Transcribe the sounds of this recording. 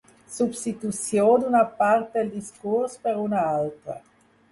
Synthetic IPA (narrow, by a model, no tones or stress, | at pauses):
subst̪it̪usjod̪unapart̪ld̪iskurspeɾunaalt̪ɾa̰